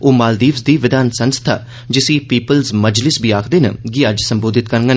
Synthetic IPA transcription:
oːmaːld̪iːʋsd̪iːʋɪd̪aːnsənst̪ʰa̰ː | d͡ʒɪsiːpiːpəlzməd͡ʒlɪsbʱiːaːkʰd̪eːnə̰ɡiəd͡ʒsəmboːd̪ɪt̪kəɾŋɡən

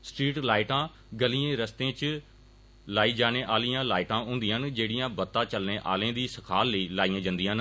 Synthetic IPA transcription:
sʈɾiːʈlaːɪʈãː | ɡəliẽːɾəst̪ẽːt͡ʃ | laːiːd͡ʒaːɽ̃eːʔaːlijãːlaːɪʈãːɦõːnd̪ɪjãːnd͡ʒeːɽɪjãːbət̪ːãːt͡ʃəlneːʔa̰ːlẽːd̪iːsəkʰaːlːəiːlaːijãːd͡ʒənd̪ijãːn

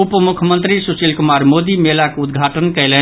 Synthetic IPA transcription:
upmukʰjəmənt̪ɾisusilkumaɾmod̪imelakud̪ɡʱaʈənkəɪlə

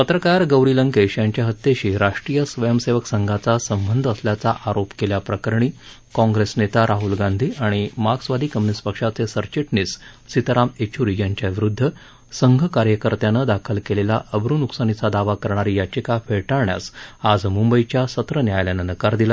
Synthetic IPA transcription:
pət̪ɾəkaɾɡəwɾiləŋkeɕjaɲt͡ɕjaɦət̪ːeɕiːɾaʂʈɾijəsʋəjəmseʋəksəŋɡʱat͡sasəmbənd̪ʱəsljat͡saʔaɾopkeljapɾəkəɾɳ̃iː | kɔ̃ŋɡɾesnet̪aɾaɦulɡãnd̪ʱiːaɽ̃imaksʋad̪ʱiːkəmnispəkʂat͡sesəɾt͡ɕiʈnis | sit̪əɾamet͡ɕʰuɾijaɲt͡ɕjaʋiɾud̪ʱːə | səŋɡʱəkaɾjəkəɾt̪janəd̪akʰəlkelela̰ʔəbɾunuksanit͡sad̪aʋakəɾɳaɾijat͡ɕikafʰeɭʈaɭɳja̰sad͡zmumbəit͡ɕjasət̪ɾənjajljanənəkaɾd̪ila

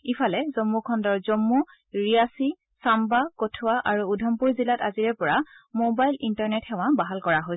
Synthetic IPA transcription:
ipʰalɛzɔmːukʰɔndɔɹzɔmːu | ɹijasi | sambakotʰʊwaʔaɹuːdʱɔmpuɹzilataziɹɛpɔɹamobajlintaɹnɛthɛw̃ãbaɦalkɔɹaɦojsɛ

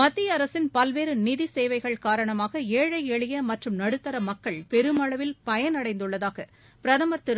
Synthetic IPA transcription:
mɐt̪ːɪjɐɐɾɐsɪnpɐlʋeːɾɯnɪðiseːʋɐɪɣɐɭkaːɾɐɳɐmaːɣɐeːɻɐɪɛɭɪjɐmɐʈrɯmnɐɽɯt̪ːɐɾɐmɐkːɐɭpɛɾɯmɐɭɐʋɪlpɐjɐnɐɽɐɪnd̪ɯɭːɐðaːɣɐ | pɪɾɐðɐmɐɾt̪ɪɾ

